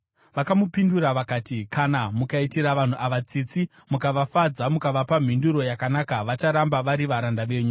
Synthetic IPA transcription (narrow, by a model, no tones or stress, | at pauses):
ʋakamupinduɾaʋakaːtikʰanamukaitiɾaʋan̤uʔaʋat͡sit͡si | mukaʋafad͡zamukaʋapam̤induɾo̞jakanakaʋat͡ʃaɾambaʋaɾiʋaɾandaʋe̞ːɲu